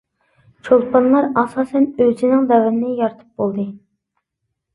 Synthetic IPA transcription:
t͡ʃʰolˠpʰɑnlˠɑɾɑsɑːsɛnøzɪnɪŋd̪ɛwɪnɪnɪjɑɾt̪ʰɨ̥p̚bolˠd̪ɨ

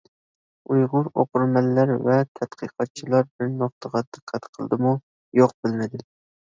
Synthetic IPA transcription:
ujʁʊɾo̰qʊɾmɛlːæɾvɛt̪ʰɛt̪qʰəqʰɑt̪̚t͡ʃʰilˠɑɾbɪɾnoχ̚t̪ʰəʁɑd̪ɨqʰːæt̪qʰəlˠɨ̰d̪ɨmu | joq̚b̥ɪlmɪd̪ɪ

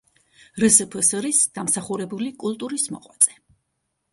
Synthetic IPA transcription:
ɾɛsɛpʰəsɾisd̪̥amsaχuɾɛbulikʼulˠt̪ʼuɾismɔ̰qʼwat̪sʼɛ̥

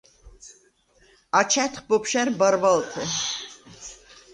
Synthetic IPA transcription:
at͡ʃʰɛt̪χbɔpʰʃɛɾbaɾvalt̪ʰɛ

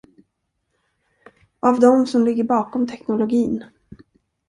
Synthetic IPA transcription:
ʔavd̪ɔmsɔmlɪɡːəɾbɑːkɔmt̪ʰɛknʊlʊɡiːn

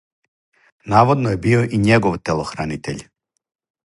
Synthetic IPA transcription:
naːʋod̪nojebioʔiɲeɡoʋt̪elˠoxɾaːnit̪ḛʎ

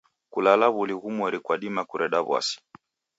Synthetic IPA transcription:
kulalaβuliɣumɔɾikwaɗimakuɾɛɗaβwa̰si̥

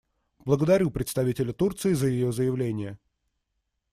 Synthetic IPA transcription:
b̥lˠəɡəd̪ɐɾʲupɾʲɪt̪st̪ɐvʲitʲɪlʲət̪urt̪sɨɪzəjɪjozəjɪvlʲenʲɪjə

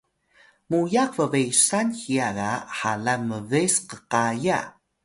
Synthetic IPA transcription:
mujakvəvejsanxiaɣaħalaməvesqəqaja̰

